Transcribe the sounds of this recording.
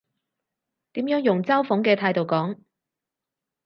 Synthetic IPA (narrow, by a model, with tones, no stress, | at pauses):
t̪iː˨˥mjœː˨˥ŋjʊ˨˩ŋt͡sɐ˥wfʊ˨˥ŋkɛː˧t̪ʰaː˧jt̪o˨wkɔː˨˥ŋ